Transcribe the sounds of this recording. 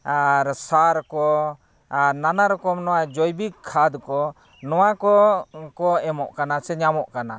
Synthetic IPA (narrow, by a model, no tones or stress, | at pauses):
ɾsaɾkɔ | aɾnanaɾɔkɔmnɔwad͡ʒɔjbikʰːad̪kɔ | nɔwakɔkɔɛmɔʔkanasɛɲamɔʔkana̰